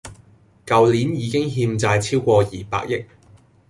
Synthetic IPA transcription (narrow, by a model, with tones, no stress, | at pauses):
kɐ˨wli˨˥njiː˨˧kɪ˥ŋɦiː˧mt͡saː˧jt͡sʰiː˥wkʷɔː˧jiː˨pa̰ː˧k̚jɪ˥k̚